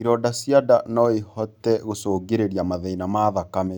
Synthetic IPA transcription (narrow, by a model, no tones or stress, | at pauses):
iɾɔdasjadanɔehɔtɛɣosoɡeɾeɾijamaðɛinamaðakamɛ